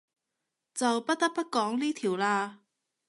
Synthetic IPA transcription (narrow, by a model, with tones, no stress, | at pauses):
t͡sɐ˨wpɐ˥t̚t̪ɐ˥k̚pɐ˥t̚kɔː˨˥ŋliː˥t̪ʰi˨˩wlaː˧